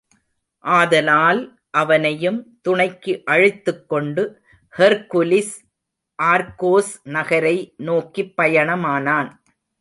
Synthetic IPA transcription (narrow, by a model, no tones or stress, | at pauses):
ʔaːðɐlaːl | ʔɐʋɐnɐjɯmt̪ʊɳɐɪkːɯʔɐɻɯt̪ːɯkːɔɳɖɯ | hɛɾkʊlɪs | ʔaːɾkoːsnɐɣɐɾɐɪnoːkːipːɐjɐɳɐmaːnaːn